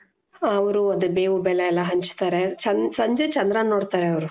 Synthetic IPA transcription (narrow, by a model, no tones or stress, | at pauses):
ɐʋɐɾuɐd̪ubeːʋubɛleɛlːɐɦɐɲt͡ʃi̥t̪aːɾet͡ʃɐnsɐɲd͡ʒet͡ʃɐnd̪ɾɐnːoːɽt̪aːɾeɐʋɐɾu